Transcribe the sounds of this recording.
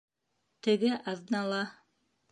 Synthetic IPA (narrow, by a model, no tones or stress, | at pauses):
t̪ɘ̆ɡɘʔɑðɤnɑlˠɑ